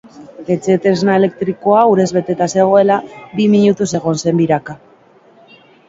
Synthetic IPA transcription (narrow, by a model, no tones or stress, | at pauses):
e̞t͡se̞t̪eznaele̞k̚t̪ɾiko̞auɾe̞zβe̞t̪e̞t̪ase̞ɣ̞o̞e̞labimiɲut̪use̞ɣ̞o̞nse̞mbiɾaka